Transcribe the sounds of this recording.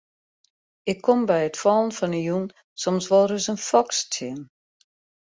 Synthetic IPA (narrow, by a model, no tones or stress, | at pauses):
ɪkʰːɔmbɛjətfɔːlˠən̩fɔnəjun | sɔmsʋɔlˠrəsənfɔkstʰɪm